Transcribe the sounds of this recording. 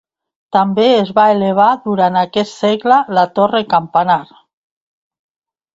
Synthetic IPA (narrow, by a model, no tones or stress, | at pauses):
t̪ambeezβaeleβ̞aðuɾanakɛt̪seɣlalat̪orekampanaɾ